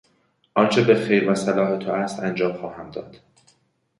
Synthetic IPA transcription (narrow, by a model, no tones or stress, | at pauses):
ʔɒnt͡ʃʰe̞be̞xejɾvæsælɒːɦet̪ʰoæst̪ænd͡ʒɒːmxɒːhæmd̪ɒ̰ːd̪̥